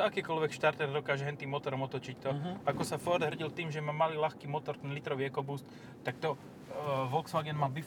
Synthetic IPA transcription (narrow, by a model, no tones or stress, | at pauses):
akiːkɔlʋɛkʃt̪aɾt̪ɛɾd̪ɔkaːʒɛɦɛnt̪iːmɔt̪ɔɾɔmɔt̪ɔt͡ʃict̪ɔakɔsafɔɾd̪ɦr̩ɟilt̪iːmʒɛmamaliːlaxkiːmɔt̪ɔɾt̪ɛnlit̪ɾɔʋiɛkɔbust̪ | t̪akt̪ɔ | ʋɔlksfaɡɛnmabi